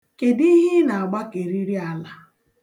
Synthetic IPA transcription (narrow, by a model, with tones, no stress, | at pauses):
ke˨di˦ɦi˦na˨a˨ɡ͡ba˦ke˨ɾi˦ɾi˦a˨la˦